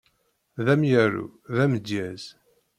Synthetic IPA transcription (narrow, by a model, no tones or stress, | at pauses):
ðæmjæɾṵðæməd̪jæz̥